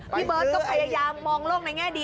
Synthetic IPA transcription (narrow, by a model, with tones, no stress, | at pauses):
pʰiː˦˥˩bɤː˧˩t̪ɔ˥˩ŋpʰa˧jaː˧jaː˧mːɔː˧ŋlou˥˩ŋ̚na˧jŋɛː˥˩di˧